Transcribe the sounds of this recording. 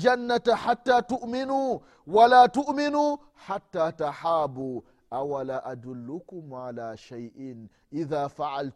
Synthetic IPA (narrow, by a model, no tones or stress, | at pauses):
d͡ʒanːat̪ħat̪ːaːt̪ʊʔmɪnuː | walaːt̪ʊʔmɪnuː | ħat̪ːaːt̪aħaːbuː | ʔawalaːʔad̪ʊlːʊkʊmʕalaːʃajʔɪn | ʔɪðaːfaʕalt̪